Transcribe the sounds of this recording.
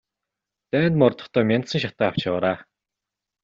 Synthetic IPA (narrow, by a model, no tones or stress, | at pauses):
t̪æːnt̪mɔrt̪ɞ̥̆χt̪œːmʲjant̪sə̆ŋʃat̪æːaw̥t͡ɕːʁaɾaː